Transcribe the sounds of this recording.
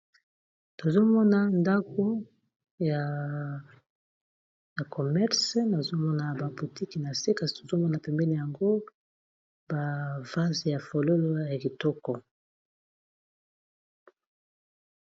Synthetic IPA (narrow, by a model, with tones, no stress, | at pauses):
to˨zo˦mɔ˦na˨nda˦ko˦ | ja˨ | ja˨ko˨mɛ˦ʁsna˨zo˦mɔ˦na˨ba˨bu˨ti˦ki˨na˨se˦ka˦˨zi˨to˨zo˦mɔ˦na˨pɛ˨mbɛ˦ni˨ja˨ŋɡo˦ | ba˨va˦zja˨fo˨lo˦lo˦ja˨ki˨tɔ˦kɔ˨